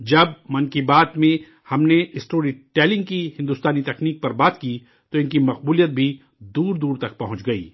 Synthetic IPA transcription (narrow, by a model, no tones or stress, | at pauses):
d͡ʒɐbmɐnkibaːt̪mẽ | hɐmneɪsʈoːɾiʈɛːlɪ̃ŋɡ̚kihɪ̃nd̪uːst̪aːnit̪ɛkniːk̚pɐɾbaːt̪ki | t̪oɪnkimɐqbuːlijət̪̚bʱi | d̪uːɾd̪uːɾt̪ɐk̚pɐɦʊ̃t͡ʃɡɐḭː